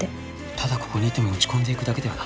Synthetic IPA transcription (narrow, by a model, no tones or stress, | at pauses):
t̪ʰad̪ako̞̥ko̞ɲ̟iːt̪ːemo̞ot͡ɕi̥kõnd̪e̞ikɯ̟d̪ake̞d̪e̞βa̰na